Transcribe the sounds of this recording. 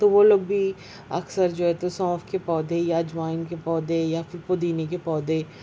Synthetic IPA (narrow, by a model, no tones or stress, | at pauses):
t̪oʋoloːɡ̚bʱi | ɐ̰ksəɾd͡ʒoːɦɛt̪osɔ̃ːfkepɔːd̪ẽjad͡ʒʋaːɪnkepɔːd̪ẽjafɪɾpod̪iːnekepɔːd̪ẽ